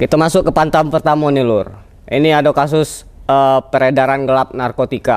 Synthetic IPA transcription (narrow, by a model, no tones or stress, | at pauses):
kit̪amasʊkːəpant̪ampərt̪amonilʊr | ḭniadokas̬ʊs | əpəɾedaɾanɡəlap̚narkot̪ika